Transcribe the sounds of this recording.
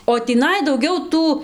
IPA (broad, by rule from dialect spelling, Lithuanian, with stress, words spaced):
oː tʲiːˈnɐɪ dɐʊˈɡʲɛʊ ˈtuː